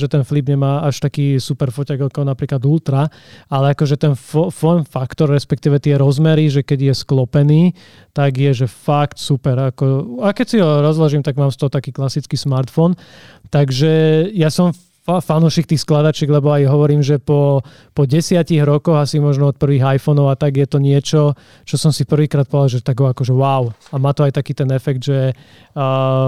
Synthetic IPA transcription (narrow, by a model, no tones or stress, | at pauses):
ʒɛt̪ɛnflibɲɛmaːaʃt̪akiːsupɛɾfɔcaɡakɔnapɾiːklad̪ult̪ɾa | alɛakɔʒɛt̪ɛnfɔfɔnfakt̪ɔɾːɛspɛk̚t̪iːʋɛt̪ɪɛɾɔzmɛɾiʒɛkɛɟɪjɛsklɔpɛniː | t̪aɡɪjɛʒɛfakt̪supɛɾakɔakɛcsiɦɔɾɔzlaʒiːmt̪aɡ̚maːmst̪ɔɦɔt̪akiːklasit͡skiːsmaɾt̪fɔnt̪aɡʒɛjasɔm | fanuʃiːk̚t̪iːxsklad̪at͡ʃɛɡlɛbɔajɦɔʋɔɾiːmʒɛpɔ | pɔɟɛsɪaciɣɾɔkɔɣasimɔʒnɔɔt̪̚pr̩ʋiːɣajfɔnɔʊat̪aɡjɛt̪ɔɲɪɛt͡ʃɔ | t͡ʃɔsɔmsipr̩ʋiːkɾaːt̪pɔdalʒɛt̪aɡɦɔakɔʒɛwaʊamaːt̪ɔajt̪akiːt̪ɛnɛfɛɡ̚d̪ʒɛ